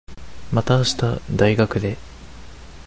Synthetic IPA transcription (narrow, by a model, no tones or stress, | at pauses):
mat̪aːɕi̥t̪ad̪aiɡakɯ̟d̪e̞